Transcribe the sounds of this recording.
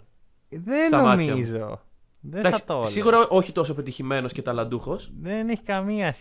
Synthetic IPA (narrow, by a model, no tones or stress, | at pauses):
ðest̪ɐomɐmiɐzo̰ | ðed̪ɐkɐsit̪ossiɣuɾɐʔo̞çit̪o̞so̞pet̪içime̞no̞scet̪ɐlɐnd̪uxo̞sðeneçi̥kɐmiɐs